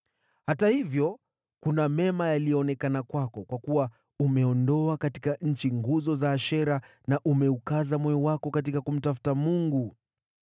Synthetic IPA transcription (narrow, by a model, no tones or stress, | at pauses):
hatahivjɔ | kunamɛmajalijɔːnɛkanakwakɔkwakuwa | umɛɔndɔakatikaɲ̩t͡ʃiŋɡuzɔzaːʃɛɾa | naʔumɛukazamwɛɔwakɔkat̬ikakum̩tafu̥tamuŋɡu